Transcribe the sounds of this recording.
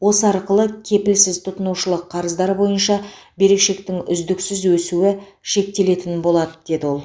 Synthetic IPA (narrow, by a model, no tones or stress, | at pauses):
wo̞səɑɾqəlˠəkʲʰe̞pɪlsɪzt̪ʰʊt̪ənuwʃəlˠəqʰːɑɾəzd̪ɑɾəbo̞jənʃɑbe̞ɾe̞kʃe̞kt̪ɪŋʏ̰zd̪ɪksɪzwɵsuwɪ | ʃe̞k̚t̪e̞le̞t̪ɪnbo̞lˠɑd̪əd̪̥e̞d̪ɪwo̞lˠ